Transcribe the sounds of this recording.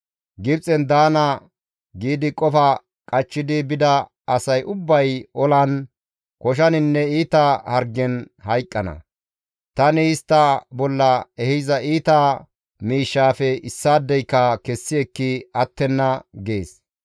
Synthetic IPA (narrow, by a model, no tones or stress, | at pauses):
ɡɪbt͡sʼɛnd̪aːnɐ | ɡiːd̪ɪkʼɔfɐ | kʼɐt͡ʃːɪd̪ɪbɪd̪ɐ | ɐsɐjʔʊbːɐjɔlɐn | kɔʃ̬ɐnɪnːɛiːt̪ɐhɐɾɡɛn | hɐjkʼːɐnɐ̰ | t̪ɐnɪɪst̪ːɐbɔlːɐɛhɪzɐʔiːt̪ɐ | miːʃːaːfɛɪsːaːd̪ːɛjkːɐkɛsːɪɛkːɪɐt̪ːɛnːɐɡeːs